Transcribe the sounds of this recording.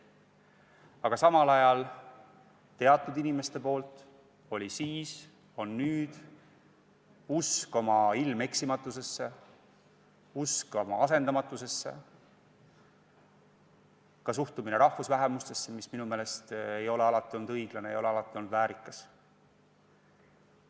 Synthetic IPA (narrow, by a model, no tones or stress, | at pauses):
ɑɡ̥ɑsɑmɑlɑjɑl | t̪e̞ɑt̪ːˑud̪inime̞st̪e̞po̞ːlt̪ˑ | o̞lʲisiːs | o̞nːyːd̪̥ | usko̞mɑilme̞ksimɑt̪ːˑuse̞sːe̞ | usko̞mɑ̰ɑse̞nd̪ɑmɑt̪ːˑuse̞sːe̞̰ | kɑs̬uht̪umine̞ɾʔɑhvusvæɦemust̪e̞sːemisminumeːle̞st̪e̞jo̞leɑlɑt̪ːˑio̞lnud̪ɤjɡ̥lɑneḛjo̞leɑlɑt̪ːˑio̞lnːud̪væːɾikːˑɑs